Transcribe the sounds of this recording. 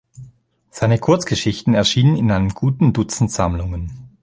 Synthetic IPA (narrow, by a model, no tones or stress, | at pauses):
z̥aɪnəkʰʊɐt͡sɡ̥əʃɪçtn̩ɛɐʃiːnənɪnʔaɪnəmɡ̥uːtn̩dʊt͡sn̩tz̥amlʊŋən